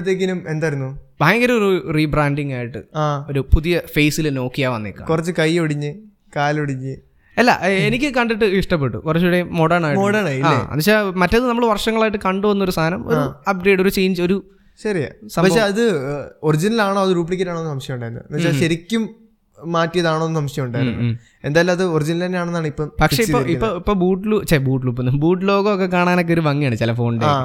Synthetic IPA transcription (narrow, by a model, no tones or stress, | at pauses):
t̪̬ːeːk̬ʲːinume̞nd̪aːjiɾunːub̥ʱaːjɐŋɡɐɾɐɾuriːbraːɳɖiŋɡaːjiʈːɨ̰aːo̞ɾupuðijɐfe̞jːsilno̞ːkːijaːʋɐnːḭkːa̰kurɐt͡ɕːɨkɐjoɽiɲːɨ | kaːloɽiɲːɨ | ɐlːɐ̰ʔenikʲːɨkɐɳɖiʈːɨiʂʈɐp̬ːe̞ʈːṵkurɐt͡ɕːuɽemoɽɐɳaːjiʈmoɽɐɳaiaeːɐ̰nːɐɕaːmɐtːɐðɨnɐmːɐɭʋɐrʂɐŋːɐɭaːjiʈːɨkɐɳɖɨʋɐnːo̞ɾust̪ʰaːnɐmo̞̰ɾuɐp̚ɡɾe̞ːɖo̞ɾut͡ɕe̞ːɲd͡ʑɨo̞ɾu | ɕɐɾija̰ːsɐmpɐkʂeɐðɨorid͡ʑinɐlaːɳoːɐðɨɾuːp̬ilik̬ʲːɐɾaːɳoːnːɨsɐmɕjɐmuɳɖaːjɾunːɐ̰ɐnɐɕaɕɐɾikʲːumː | aːtːijɐðaːɳoːnːɨsɐmʂjɐmuɳɖaːjiɾunː | e̞nd̪aːjilɐmɐðɨorid͡ʑinɐlenejaːɳenːaːɳipːɐpɐkʂeiipːoiːpːoːipːoːbuːʈːluɐt͡ɕːebuːʈluːp̬ːnːbuːʈːlo̞ːɣɨokːekaːɳaːno̞k̬ːeo̞ɾuʋɐŋːijaːɳɨt͡ɕilɐfo̞ːɳɖeː